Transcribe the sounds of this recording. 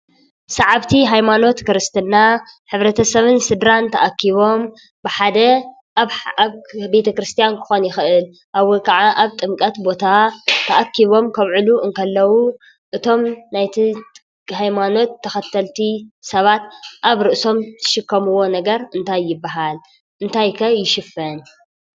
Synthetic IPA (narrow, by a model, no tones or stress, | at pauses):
sɐʕaβt̪ʰiɦajmano̞t̪kʰɨɾɨst̪ʰɨnːaħɨβɾɐt̪ʰɐsɐβɨnsɨd̪ɾant̪ʰɐʔakʰːiβo̞m | bɨħad̪ɐ | ʔaβabe̞t̪ʰɐkɾɨst̪ʰijankʰɨ̥xo̞njɪxɨɨl | ʔawokʰɐʕaʔaβt̪ʼɨmkʼɐt̪bo̞t̪ʰat̪ʰɐʔakʰːiβo̞mkʰɐβʕɨluʔɨŋkʰɐlːɐwu | ʔɨt̪ʰo̞mnajt̪ʰit̪ʼ | kʼɦajmano̞t̪ʰːɐxɐt̪ʰːɐlt̪ʰisɐβat̪̚ʔaβɾɨʔso̞mt̪ʰɨ̥ʃɨkʰːɐmɨwːo̞nɐɡɐɾɨnt̪ʰajːɪbːaɦal | ʔɨnt̪ʰajkʰɐjɪʃɪfɐn